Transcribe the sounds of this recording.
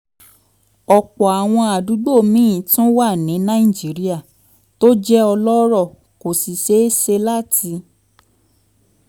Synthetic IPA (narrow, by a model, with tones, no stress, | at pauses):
ɔ˧k͡pɔ˨a˨w̃ɔ̃˧a˨du˨˦ɡ͡bo˦˨mĩ˨˦ĩ˨tũ˦wa˦˨nĩ˨˦nã˦i˦˨d͡ʒi˨˦ɾi˦a˦˨ | to˦d͡ʒɛ˦ɔ˧lɔ˦ɾɔ˦˨ | ko˨si˨ʃe˨˦se˧la˦˨ti˧